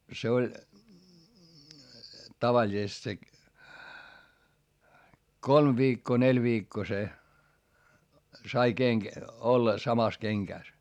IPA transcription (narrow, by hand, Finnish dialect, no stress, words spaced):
se olʲ tɑʋɑlʲisest se kolm ʋiːkːoː nelʲ ʋiːkːoː se sɑi keŋk olːɑ sɑmɑs keŋkæˑs